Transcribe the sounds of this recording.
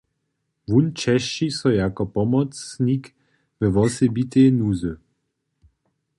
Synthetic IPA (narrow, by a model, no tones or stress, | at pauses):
vunt͡ʃɛʃt͡ʃisɔjakɔpɔmɔt͡snik | vəʋɔsɛbit̪eːnuzə